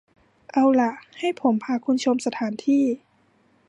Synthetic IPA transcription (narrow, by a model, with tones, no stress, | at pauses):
ʔa˧wla˧ʔha˥˩jpʰo˩˦mpʰaː˧kʰu˧˥˨nt͡ɕʰo˧msa˧t̪ʰaː˩˦nt̪ʰiː˥˩